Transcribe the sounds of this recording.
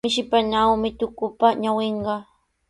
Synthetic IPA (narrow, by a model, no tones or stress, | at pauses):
ɪʃɪpanawmɪt̪ʊkʊpaɲaweɴɢɑ